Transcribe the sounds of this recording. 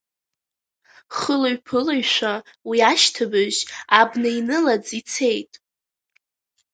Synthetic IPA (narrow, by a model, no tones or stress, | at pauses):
χəloɥpʰɨlaɥʃʷawiaʃtʰɨbɨʒabnɨinɨlad͡zit͡sʰe̞jtʼ